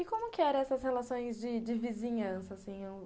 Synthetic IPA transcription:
ɪkõmʊkɪɛɾɐ̃ɛsɐshelasõj̃zd͡ʒɪd͡ʒɪvizĩɲɐ̃sɐːsĩj̃ew

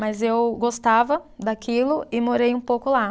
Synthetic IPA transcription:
mɐzewɡost̪avɐd̪akilʊʔɪmoɾejũpowkʊla

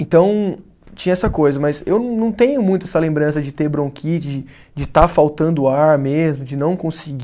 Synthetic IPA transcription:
ẽnt̪ɐ̃w̃ | t͡ʃĩɲɐɛsɐkojzɐmɐzewnɐ̃w̃nɐ̃w̃t̪ẽɲʊmũj̃t̪ʊɛsɐlẽmbɾɐ̃sɐd͡ʒɪt̪eɾbɾõkʰit͡ʃɪd͡ʒɪ | d͡ʒɪt̪afawt̪ɐ̃nd̪ʊaɾmezmʊd͡ʒɪnɐ̃w̃kõsɪɡ

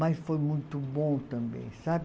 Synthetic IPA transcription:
mɐsfojmũj̃t̪ʊbõt̪ɐ̃mbḛ̃j̃sab

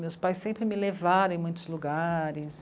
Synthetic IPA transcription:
mewspajsːẽmpɾɪmɪlevaɾõẽmũj̃t̪ʊzluɡaɾɪs

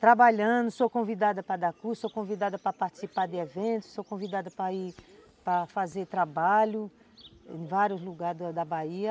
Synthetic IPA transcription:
t̪ɾabaʎɐ̃nd̪ʊsokõvid̪ad̪ɐpɾɐd̪akusokõvid̪ad̪ɐpɾɐpaɾt͡ʃi̥sipaɾd̪ɪevẽnt̪ʊ̥sokõvid̪ad̪ɐpɾɐi | pɾɐfazet̪ɾabaʎʊ | ḛ̃j̃vaɾjʊzluɡaɾd̪ɐd̪ɐbaiɐ

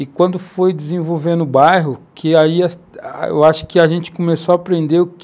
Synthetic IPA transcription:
ɪkwɐ̃nd̪ʊfojd͡ʒɪzẽvowvẽnʊʊbajɦʊkʰɪaiɐsḛwaʃʊ̥kɪaʒẽnt͡ʃɪ̥komesoapɾẽnd̪eʊk

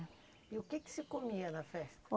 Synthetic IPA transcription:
iʊkekɪ̥sɪkomiɐnɐfɛst̪ɐ̥

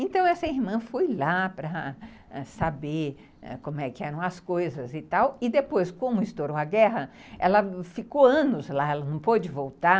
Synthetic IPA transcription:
ẽnt̪ɐ̃w̃ɛsɐihmɐ̃fojlapɾɐ | ɛsabe | ɛ̰kõmʊɛkɪɛɾɐ̃w̃ɐskojzɐzɪt̪awɪd̪epojskõmʊɪst̪oɾoaɡɛɦɐɛ̰lɐfikoɐ̃nʊzlaɛlɐnɐ̃w̃pod͡ʒɪvowt̪a

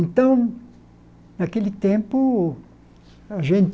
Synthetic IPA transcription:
nt̪õŋ | nakelit̪jempo | ʐent̪

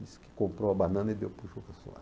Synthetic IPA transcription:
iskɪ̥kõmpɾoɐbanɐ̃nɐid̪ewpuʒokɐso̰a̰

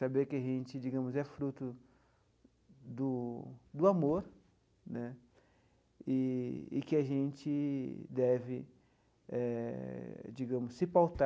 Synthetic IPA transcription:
sabeɾkɪaʒẽt͡ʃɪd͡ʒiɡɐ̃mʊzɛfɾut̪ʊ | d̪ʊd̪ʊamoɾ | nɛ | ɪ̰ːkɪaʒẽnt͡ʃɪd̪ɛvɪ | ɛ | d͡ʒiɡɐ̃mʊsːɪpawt̪a

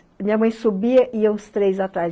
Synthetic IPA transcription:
mĩɲɐmɐ̃j̃subiɐʔiɐũst̪ɾejzat̪ɾa

